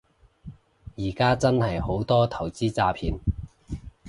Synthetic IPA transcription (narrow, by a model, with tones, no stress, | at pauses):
jiː˨˩kaː˥t͡sɐ˥nhɐ˨jho˨˥wt̪ɔː˥t̪ʰɐ˨˩wt͡siː˥t͡saː˧pʰiː˨˥n